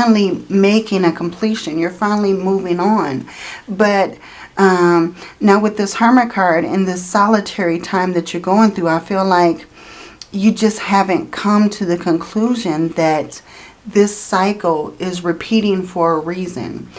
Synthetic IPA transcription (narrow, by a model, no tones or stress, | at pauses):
nl̩ˠimeɪkɪ̃ŋɨkʰm̩pʰl̥iʃɨ̃njə˞fãɪ̃nl̩ˠimuvɪ̃ŋə̃n | bʌt̚ | ʔʌ̃naʊwɨðɪshɑɹmɨkʰɑɹɾɪ̰̃nðɨsɑlˠətʰɛɹitʰãɪ̃mðɨt͡ʃə˞ɡoʊɪ̃ŋθɹuaɪfilaɪk | jɨd͡ʒʌst̚hævɨ̃nkʰʌ̃mtʰɨðɨkʰɨ̃nkʰl̥uʒɨ̃nðɨt̪̚ | ðɪsaɪkl̩ˠɪzɹɨpʰiɾɪ̃ŋfə˞əɹizɨ̰̃n